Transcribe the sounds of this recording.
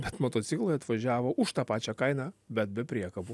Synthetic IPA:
bʲɛt̪mot̪oːt̪sʲɪklˠoːjɐt̪ʋɐʒʲæːʋoːʔʊʃt̪ɑːpɑːt͡ʃʲɛːkɐɪnɑːbʲɛt̪̚bʲɛpʲɾʲiɛkɐbʊ

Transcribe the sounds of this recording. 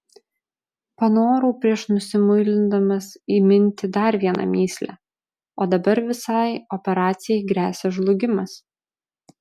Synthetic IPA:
pɐnoːɾuːpʲɾʲiɛʃnʊsʲɪmʊɪlʲɪnd̪ɐmɐsiːmʲɪnʲt̪ʲɪd̪ɐɾʋʲiɛnʔɐ̰mʲiːsʲlʲæ̰ | oːd̪ɐbɐɾʋʲɪsɑɪɔpʲɛɾɑːt̪sʲɪjɛɪɡɾʲæːsʲɛʒlˠʊɡʲɪmɐs

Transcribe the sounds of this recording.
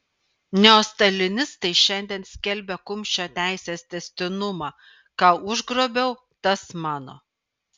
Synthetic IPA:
nʲɛoːst̪ɐlʲɪnʲɪst̪ɐɪʃʲɛnʲd̪ʲɛnsʲkʲɛlʲbʲɛkʊmʲʃʲt͡ʃʲot̪ʲæˑɪsʲeːst̪ʲɛsʲt̪ʲɪnʊmɑː | kɑːʊʒɡɾoːbʲɛʊ | t̪ɐsmɑːno̰ː

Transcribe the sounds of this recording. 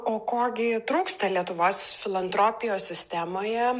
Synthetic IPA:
oːkoːɡʲɪt̪ɾuːkst̪ɐlʲiɛt̪ʊʋoːsfʲɪlˠɐnt̪ɾoːpʲɪjoːsʲsʲɪsʲt̪ʲæːmoːjɛ

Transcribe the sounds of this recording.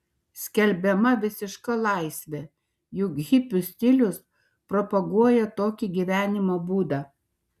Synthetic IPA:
sʲkʲɛlʲbʲɛmɐʋʲɪsʲɪʃkɐlˠɑɪsʲʋʲɛ | jʊkɣʲɪpʲʊsʲt̪ʲɪlʲʊs | pɾopɐɡuɔjɛt̪oːkʲiɡʲiʋʲæːnʲɪmoːbuːd̪ɑː

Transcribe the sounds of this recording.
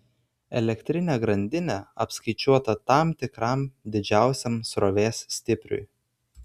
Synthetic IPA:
ɛ̰lʲɛkt̪ʲɾʲɪnʲeːɡɾɐnʲd̪ʲɪnʲɛɐpskɐɪt͡ʃʲuɔt̪ɐt̪ɑˑmt̪ʲɪkɾɐˑmd̪ʲɪd͡ʒʲæˑʊsʲɛmsɾɔʋʲeːsːʲt̪ʲɪpʲɾʲʊ̰ɪ

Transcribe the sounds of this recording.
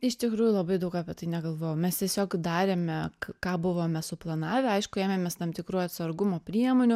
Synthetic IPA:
ɪʃt̪ʲɪkɾuːjʊlˠɐbɐɪd̪ɐʊkɑːpʲɛt̪ɐɪnʲɛɡɐlˠʋoːjɛmʲɛst̪ʲiɛsʲoːkd̪ɑːɾʲeːmʲɛkkɑːbʊʋoːmʲɛsʊplˠɐnɑːʋʲɛɐɪʃkʊæːmʲemʲeːst̪ɐmt̪ʲɪkɾuːɐt̪ʲsɐɾɡʊmoːpʲɾʲiɛmoːnʲʊ

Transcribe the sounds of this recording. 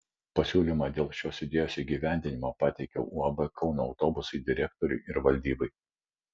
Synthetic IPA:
pɐsʲuːlʲiːˑmɑd̪ʲeːlˠʃʲoːsʲɪd̪ʲeːjoːsiːɡʲiːʋʲæˑnʲd̪ʲɪnʲɪmoːpɑːt̪ʲɛɪkʲo̰ʔuɔbɐkʰɒʊnoːɒʊt̪oːbʊsɐɪd̪ʲɪɾʲɛkt̪ɔɾʲʊ̰ɪɪɾʋɐlʲd̪ʲiːbɐɪ

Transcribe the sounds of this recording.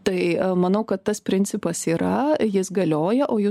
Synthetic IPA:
t̪ɐɪmɐnɐʊkɐt̪tɐspʲɾʲɪnʲt͡ssʲɪpɐsiːɾɐjɪsɡɐlʲoːjɛʔoːjʊ

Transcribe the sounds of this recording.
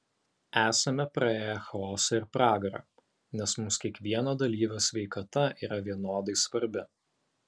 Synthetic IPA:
æːsɐmʲɛpɾɐeːjɛxɐɔːsɐɪɾpɾɑːɡɐɾɐ̰ | nʲɛsmʊmskʲiɛkʋʲiɛnɐd̪ɐlʲiːʋʲosʲʋʲɛɪkɐt̪ɐḭːɾɐʋʲiɛnoːd̪ɐɪsʋɐɾʲbʲɪ

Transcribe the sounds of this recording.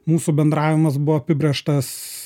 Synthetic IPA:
muːsubʲɛnd̪ɾɑːʋʲɪmɐsbʊʋɔːɐpʲɪbʲɾʲeːʃt̪ɐs

